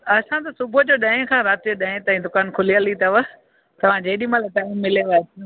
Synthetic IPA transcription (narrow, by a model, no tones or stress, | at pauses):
ɐsãt̪ɐsʊbʱʊd͡ʑoːɗɐ̃ːɪ̃kʰãːɾaːt̪ioɗɐ̃ːɪ̃t̪ãːĩd̪ʊkaːnkʰʊlijəlit̪ɐʋə | t̪ɐʋ̤ãd͡ʑeːɗimaleʈaːɪmːɪleʋat̪